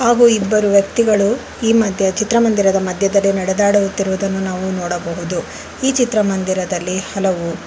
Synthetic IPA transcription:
haːɡuːibːɐɾuʋjɐkt̪iɡɐɭu | iːmɐd̪ʱjɐt͡ʃit̪ɾɐmɐnd̪iɾɐd̪ɐmɐd̪ʱjɐd̪ɐlːinɐɽɛd̪aːɽujut̪ːiɾuʋud̪ɐnːunaːʋunɔːɽɐbɐɦud̪u | iːt͡ʃit̪ɾɐmɐnd̪iɾɐd̪ɐlːihɐlɐʋu

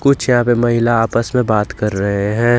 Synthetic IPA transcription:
kʊt͡ʃʰjɐɦãːpemɐɦɪlaaːpəsmẽbaːt̪kɐɾːɐɦeɦɛ̃ː

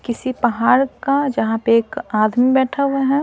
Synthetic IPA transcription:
kɪsipɐɦaːɾkad͡ʒɐɦãpeeːkaːd̪mibɛːʈʰaɦʊaɦɛː

